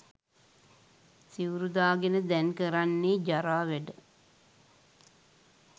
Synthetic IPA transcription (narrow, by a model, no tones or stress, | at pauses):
siwɾud̪aːɡenəd̪ɛnkəɾanːeːd͡ʒaɾaːʋɛɖə